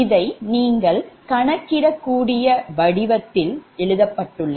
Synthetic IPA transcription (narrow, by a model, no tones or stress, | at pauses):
ɪðɐɪniːŋɡɐɭkɐɳɐkːɪɾɐkːuːɽɪjɐʋɐɽɪʋɐt̪ːɪlɛɭɯðɐpːɐʈːɯɭːɐ